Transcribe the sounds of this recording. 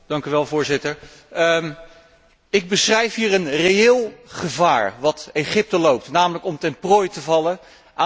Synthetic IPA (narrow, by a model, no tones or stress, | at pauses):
d̥ɑŋkyʋɛlˠvʊːɹzɪtəɹ | ɪɡ̚bəsrɛjfɦiːrənrejɪːlˠχəvaːɹʋɑtejχɪp̚təlowp̚tnaːmələkɔmtɛnprojtəvɑlə | ʔa